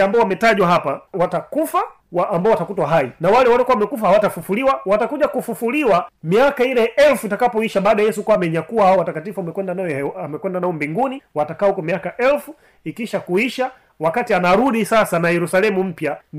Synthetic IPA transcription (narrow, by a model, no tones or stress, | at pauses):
ambaɔwamɛtaʄwaɦapawatakufa | waːmbaɔwatakutwaɦainawalɛwalɔkuawamɛkufahawatafufuliwawatakuʄakufufuliwamiakailɛʔɛlfuitakapɔiʃaɓaːɗɔajɛsukuamɛɲakuwahaɔwatakatifuamɛkwɛndanaɔamɛkwɛndanaɔmbiŋɡuniwatakaːhukɔmijakaʔɛlfu | ikiʃakuiʃa | wakatianaɾuɗisasanajɛɾusalɛmum̩pja